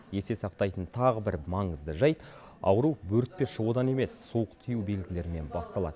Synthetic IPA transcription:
je̞se̞sɑq̚t̪ɑjt̪ənt̪ʰɑʁəbɪɾmɑɴəzd̪əʒɑjt̪ | ɑ̰wəɾuwbɵɾt̪̚pe̞ʃəwod̪ɑne̞me̞sːowəqt̪ʰijuwbe̞lɡʲɪle̞ɾɪme̞nbɑst̪ɑlˠɑ̰d̪əə

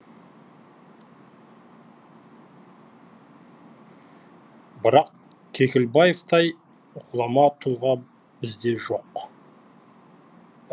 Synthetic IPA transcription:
bɪɾɑq | kʲʰe̞kʲɪlbɑjeft̪ɑj | ʁʰʊlˠɑmɑt̪ʰulˠʁɑ | b̥ɪzd̪e̞ʒoq

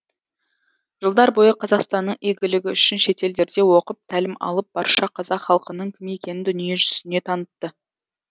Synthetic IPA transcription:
ʒ̥əlˠd̪ɑɾbo̞jəqʰɑzɑqst̪ɑnːəɴʔijɡʲɪlɪɡʲɪʏʃɪnʃe̞t̪e̞ld̪e̞ɾd̪e̞wo̞qəp̚t̪ʰælɪmɑ̰lˠəp̚b̥ɑɾʃɑqʰɑzɑqχɑlˠqənəɴkʲʰɪme̞kʲe̞nɪnd̪ʏnijeʒʏzɪne̞t̪ʰɑnət̪ːə

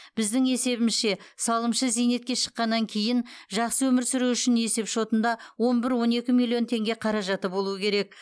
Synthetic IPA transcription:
b̥ɪzd̪ɪŋe̞se̞βɪmɪzʃe̞sɑlˠəmʃəzijne̞t̪kʲe̞ʃə̥qːɑnːɑŋkʲʰe̞jɪnʒɑqsəwɵmɪɾsʏɾuʏʃɪne̞se̞pʃo̞t̪ənd̪ɑwo̞nbɪɾwo̞ne̞kʲɪmilˠijo̞nt̪ʰe̞ŋɡʲe̞qʰɑɾɑʒɑt̪əbo̞lˠuəkʲʰe̞ɾe̞k̚

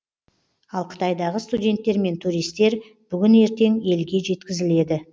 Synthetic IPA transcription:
ɑlˠqʰə̥t̪ɑjd̪ɑʁəst̪udʲe̞nt̪ːe̞ɾme̞nt̪ʰuɾijst̪e̞ɾ | b̥ʏɡʲɪne̞ɾt̪e̞ŋe̞lɡʲe̞ʒe̞t̪kʲɪzɪle̞d̪ɪ

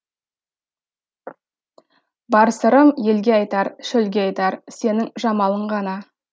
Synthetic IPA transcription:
bɑɾsəɾəmje̞lɡʲe̞ɑjt̪ɑɾʃɵlɡʲeɑjt̪ɑɾse̞nɪŋʒɑmɑlˠəɴʁɑnɑ

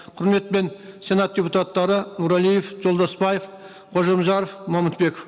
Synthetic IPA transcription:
qʰʊɾme̞t̪pe̞nse̞nɑt̪̚d̪ʲe̞put̪at̪ːɑɾənuɾɑlˠijefʒo̞lˠd̪ɑspɑjef | qʰo̞ʒemʒɑɾəfmɑmət̪̚be̞kof

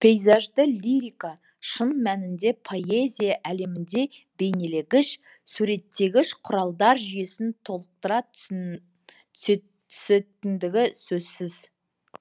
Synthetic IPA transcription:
pʰe̞jzɑʒd̪əlʲiɾika | ʃənmænɪnd̪e̞pʰo̞e̞zʲijaʔæle̞mɪnd̪e̞be̞jne̞leɡʲɪʃ | suɾe̞t̪ːe̞ɡʲɪʃqʰʊɾɑlˠd̪ɑɾʒʏje̞sɪnt̪ʰo̞lˠəq̚t̪əɾɑ | t̪ʰ | ʏ̥set̪ɪnd̪ɪɡʲɪsɵzsɪz̥

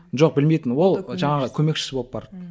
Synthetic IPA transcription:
ʒo̞q̚bɪlmejt̪ɪnwo̞lˠʒɑɴɑʁəkʲʰɵme̞kʃɪ̥sɪbop̚bɑɾt̪

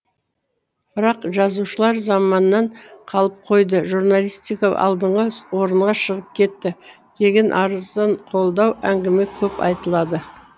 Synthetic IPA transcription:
b̥ɪɾɑqʒɑzuʃəlˠɑɾzɑmɑnːɑɴqʰɑlˠəp̚qʰo̞jd̪əʒuɾnɑlʲˠist̪ikoɑ̰lˠd̪əɴʁəwo̞ɾəɴʁɑʃəʁəp̚kʲʰe̞t̪ːɪ | kʲʰe̞ɡʲɪnʔɑɾəzd̪ɑɴqʰo̞lˠd̪ɑwæŋɡʲɪme̞kʲʰɵpɑ̰jt̪əlˠɑd̪ə

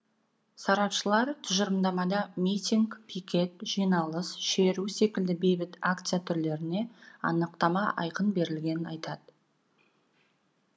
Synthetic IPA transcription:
sɑɾɑpʃəlˠɑɾt̪ʰʊʒəɾəmd̪ɑmɑd̪ɑmʲijt̪ʲiŋkpʰijkʲʰe̞t̪̚ʒ̥ijnɑlˠəsʃe̞ɾuse̞kʲɪld̪ɪbe̞jbɪt̪akt̪sɨjat̪ʰʏɾle̞ɾɪne̞ɑ̰nəq̚t̪ɑmɑʔɑ̰jqənbe̞ɾɪlɡʲe̞nɪnɑjt̪ʰɑd̪ə

